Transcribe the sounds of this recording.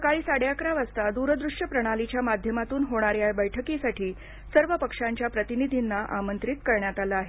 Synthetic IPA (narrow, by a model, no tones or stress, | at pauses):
səkaɭiːsaɽjakɾaʋast̪ad̪uɾəd̪ɾuʂjəpɾəɽ̃alit͡ɕjamad̪ʱjəmat̪uːnɦoɽ̃aɾjabəjʈʰəkisaʈʰiː | səɾʋəpəkʂaɲt͡ɕjapɾət̪inid̪ʱinːaʔamənt̪ɾit̪kəɾɳjat̪alaaɦe